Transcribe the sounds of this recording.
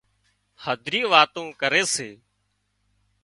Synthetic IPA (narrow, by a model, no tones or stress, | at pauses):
həd̪ʱɾiːʋaːt̪õːkəɾeːseː